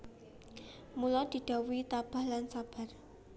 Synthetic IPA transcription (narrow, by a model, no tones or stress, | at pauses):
mulɔd̪̥i̤d̥a̤wuit̪ab̥a̤hlansab̥a̤r